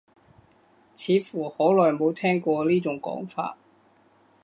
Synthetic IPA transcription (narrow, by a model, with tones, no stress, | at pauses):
t͡sʰiː˨˧˥fuː˨˩ho˨˥wlɔː˨˩jmo˨˧˥wt̪ʰɛː˥ŋkʷɔː˧liː˥t͡sʊ˨˥ŋkɔ̰ː˨˥ŋfa̰ː˧t̚